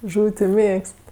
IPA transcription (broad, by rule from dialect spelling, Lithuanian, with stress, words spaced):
ˈʒuːw tʲɪ ˈmʲeːkst